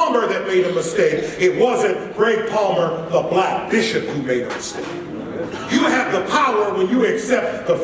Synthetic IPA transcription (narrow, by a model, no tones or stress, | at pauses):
mə˞ðɨt̚meɪɾɨmɨsteɪkɪt̚wʌzɨ̃nɡ̥ɹeɪt̚pʰɑlˠmə˞ðəblæk̚b̥ɪʃɨphumeɪɾɨmɨsteɪk̚ | jɨɨvðəpʰaʊə˞wə̃njɨɨksɛp̚t̪ðəf